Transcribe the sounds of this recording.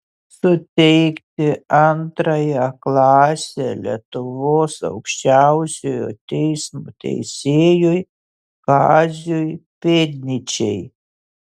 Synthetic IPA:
sʊt̪ʲɛjkt̪ʲɪant̪ɾɐjaːklˠɑːsʲɛlʲḭɛt̪ʊvoːsɐ̰ʊkʃʲt͡ʃʲæwsʲojo̰t̪ʲɛjsmut̪ʲɛ̰jsʲeːjuj | ɡɑːzʲujpʲed̪ʲnʲɪt͡ʃʲɛj

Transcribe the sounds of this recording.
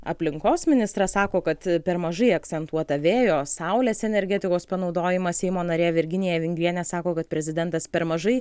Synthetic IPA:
ɐ̰pʲlʲɪŋkoːsmʲɪnʲɪst̪ɾɐsɑːkoːkɐt̪pʲɛɾmɐʒɐɪɐk̚t̪sʲɛnt̪uɔt̪ɐʋʲeːjoːsɐʊlʲeːsɛnʲɛɾʲɡʲɛt̪ʲɪkoːspɐnɒʊd̪oːjɪmɐsʲɛɪmoːnɐɾʲeːʋʲɪɾʲɡʲɪnʲɪjɛʋʲɪŋʲɡɾʲiɛnʲɛsɑːkoːkɐt̪̚pʲɾʲɛzʲɪd̪ʲɛnt̪ɐspʲɛɾmɐʒɐɪ

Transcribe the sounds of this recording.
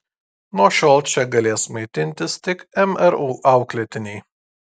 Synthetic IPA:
noɔʃʲɔlˠt͡ʃʲɛɡɐlʲeːsmɐɪt̪ʲɪnʲt̪ʲɪst̪ʲɪkɛmɛɾuʔɑˑʊklʲeːt̪ʲɪnʲɛɪ

